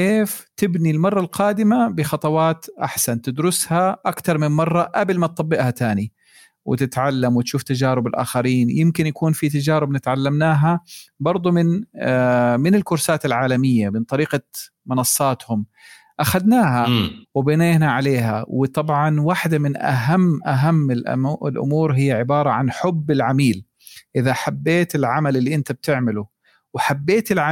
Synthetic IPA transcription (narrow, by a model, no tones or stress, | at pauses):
keːft̪ɪbnilmɑrˤːɑlqɑːd̪ɪmabɪxɑt̪ˤɑwɑːt̪ʔa̰ħsant̪ɪd̪ɾʊshaʔakt̪ɑɾˤmɪmmɑrˤːɑʔablmat̪̚t̪ˤɑbːɪʔhat̪aːni | wɪ̰t̪ɪt̪ʕalːamwɪt̪ʃuːft̪ad͡ʒaːɾɪbɪlʔa̰ːxaɾiːnjɪmkɪnjakuːnfit̪ad͡ʒaːɾɪbnɪt̪ʕalːamnaːɦabɑɾˤd̪ˤumɪn | mɪnɪlkʊɾsaːt̪ɪlʕaːlamɪjːamɪnt̪ˤɑɾiːqa | mɪnɑsˤːɑːt̪hʊm | ʔaxad̪naːɦawɪbɪneːnaʕaleːɦawɪt̪ˤɑbʕɑnwaħd̪amɪnʔa̰ɦamːʔaɦamːɪlʔlʔʊ̰muːɾɦɪjːaʕɪbɑːɾˤɑʕanħʊbːɪlʕamiːl | ʔɪðaħabːeːt̪ɪlʕamalɪlːiʔɪnt̪ab̚t̪ɪʕmɪlʊ | wħabːeːt̪ɪlʕa